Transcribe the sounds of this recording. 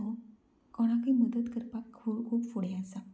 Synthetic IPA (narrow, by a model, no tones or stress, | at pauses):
ɦo | kɔɽ̃akəjməd̪ət̪kəɾpakʰukʰuːpfoɽ̤easa